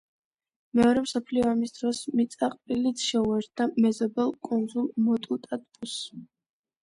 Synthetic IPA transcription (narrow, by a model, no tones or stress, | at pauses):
mɛɔɾɛmsɔpʰliɔamisd̪ɾɔsmit̪sʼaqʼpʼilit̪ʃɛuɛɾt̪̚ʰd̪amɛzɔbɛlˠkʼund̪zulˠmɔt̪ʼut̪ʼat̪ʼkʼus